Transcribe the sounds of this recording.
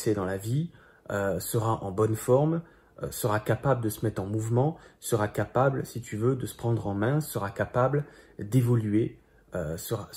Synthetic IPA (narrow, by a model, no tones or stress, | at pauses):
sɛd̪ɑ̃lavi | øsəʁaʔɑ̰̃bɔnfɔʁm̰ | səʁakapabləd̪əsəmɛt̪χɑ̃muvmɑ̃səʁakapablsit̪yvød̪əsə̥pχɑ̃d̪ʁɑ̃mɛ̃səʁakapabld̪evɔlye | øsəʁa